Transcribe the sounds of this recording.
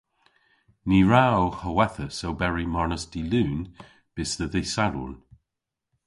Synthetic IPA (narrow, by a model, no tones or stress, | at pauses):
niɹawhəwɛθəsowbɛɹimɔɹnəsd̥ilʉːn | b̥ɪsðəðɪsalṵn